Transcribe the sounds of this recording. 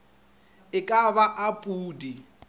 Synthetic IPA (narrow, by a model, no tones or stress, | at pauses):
ɪkʼaβaʔapʼuːdi